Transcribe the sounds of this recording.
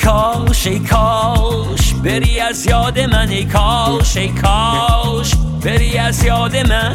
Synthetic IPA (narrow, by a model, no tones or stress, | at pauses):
kʰɔwʃejkʰɔw | ʃbeɾiæzjɒːd̪emænejkʰɔwʃejkʰɔwʃbeɾiæzjɔːd̪emæn